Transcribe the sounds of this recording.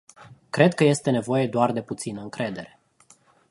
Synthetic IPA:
kɾe̞d̪̚kəje̞st̪e̞ne̞vo̞je̞d̪oard̪e̞put̪sinəɨŋkɾe̞d̪e̞ɾe̞

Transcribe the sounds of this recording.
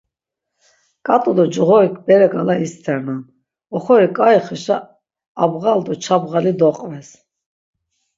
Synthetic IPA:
kʼat̪ʼud̪ɔd͡ʒʁɔɾikʰbɛɾɛɡalaist̪ʰɛɾnan | ɔχɔɾikʼaiχɛʃa | abʁald̪ɔt͡ʃʰabʁalid̪ɔqʼvɛs

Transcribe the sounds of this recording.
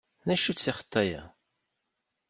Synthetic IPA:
næʃut͡sːiχə̥t̪ːæjæ̰

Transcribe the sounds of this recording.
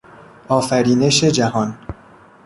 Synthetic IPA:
ʔɒːfæɾiːne̞ʃed͡ʒæhɒn

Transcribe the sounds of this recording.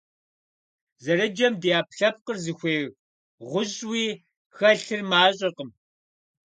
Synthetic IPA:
zɐɾɐd͡ʒɐmdijaːpɬɐp̚qərzɨxʷeːɣ | ʁʷʊʑʼwiː | xɐɬɨrmaːɕʼɪqəm

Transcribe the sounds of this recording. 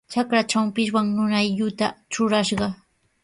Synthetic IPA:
t͡ʃakɾat͡ʃampɪʃwaŋnʊnajʎʊt̪a̰t͡ʃʊɾaʃɢɑ

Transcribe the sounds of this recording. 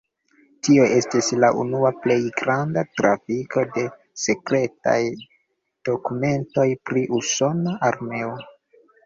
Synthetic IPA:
tio̞ʔe̞stislaʔunuaple̞jɡɾandatɾafiko̞de̞ | se̞kɾe̞ta̰j | d̥o̞kume̞nto̞jpɾiʔuso̞naʔaɾme̞o

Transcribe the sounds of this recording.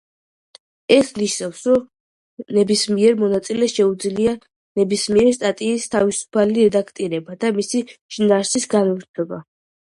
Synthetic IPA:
ɛsniʃnafsɾɔ | nɛbismiɛɾmɔnat̪sʼilɛʃɛud̪zlia | nɛbismiɛɾst̪ʼat̪ʼiːst̪ʰavisu̥pʰaliɾɛd̪akʰt̪ʼiɾɛbad̪amisiʃinaɾsisɡanɔɾt̪ʰɔba

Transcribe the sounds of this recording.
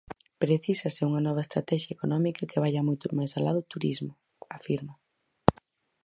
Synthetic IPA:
pɾeθisɐsɪuŋɐnɔβɐest̪ɾa̰t̪ɛʃjɐekonɔmikɐkeβajɐmojt̪ʊmajsalaðʊt̪uɾizmʊ | afiɾmo

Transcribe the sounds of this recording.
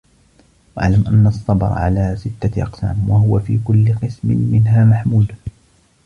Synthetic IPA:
wʔa̰ʕlamʔanːɑsˤːɑbɾ̰ˤʕa̰laːsɪt̪ːaʔɑ̰qsa̰ːmwaɦʊwafḭːkʊlːɪqɨsmɪ̰nmɪnɦaːmaħmuːl

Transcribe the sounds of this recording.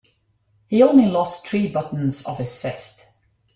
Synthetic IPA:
hiõʊ̃nlilɔsθʰɹ̥iːbʌʔn̩z̥ə̰v̥ɪz̥fɛst

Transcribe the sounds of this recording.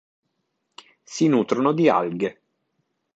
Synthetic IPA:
sinuːt̪ɾonod̪ia̰lɡe

